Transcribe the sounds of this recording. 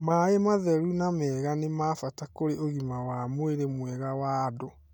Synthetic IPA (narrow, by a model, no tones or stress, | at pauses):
maːemaðɛɾunamɛːɣanemaːfatakoɾeoɣimawamweɾemwɛɣawaːdo